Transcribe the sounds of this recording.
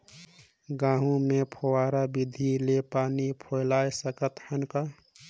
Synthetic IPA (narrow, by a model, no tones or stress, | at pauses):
ɡãɦũmepʰowaɾabid̪ʱilepanipʰojlajsəkət̪hənkə